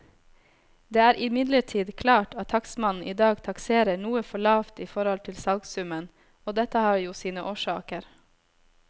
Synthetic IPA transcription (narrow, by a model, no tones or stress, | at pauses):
d̪eːæːɾʔɪmɪd̪ləʈʰiːd̪kʰlɑːʈɑt̪ʰːɑksmɑnn̩ʔiːd̪ɑːɡt̪ʰɑkseːɾəɳuːəfɔɭɑːʋt̪iːfɔɾhɔlt̪ʰɪlsɑlɡsʉmən | oːd̪ɛt̪əhɑːɾjuːsiːnəʔoːʃɑːkəɾ